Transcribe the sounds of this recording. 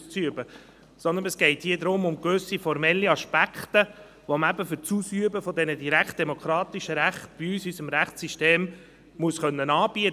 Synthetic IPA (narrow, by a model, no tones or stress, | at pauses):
t͡syəbə | sɔnd̪ənəsɡ̥ɛɪthiːəd̪ɾʊmʊmkʋɵsifɔɾmɛlːiɑʃpækχt̪ə | ʋoməæbəfʏɾt͡susyəbəfɔd̪ɛnədiɾækχt̚d̥̪ɛmokʰɾɑːt̪iʃəɾæχtb̥iyːsysəmɾæχtt͡siʃteːm | muəsχœnːənɑːb̥iə